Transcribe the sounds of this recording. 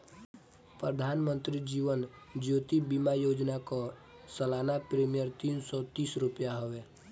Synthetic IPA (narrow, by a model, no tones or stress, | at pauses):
pɾəd̪ʱaːnmə̃nt̪ɾid͡ʒiːʋən | d͡ʒjoːt̪ibimajod͡ʒnakɔ | səlanapɾemijəɾt̪insɔt̪iːsɾupjaɦoʋe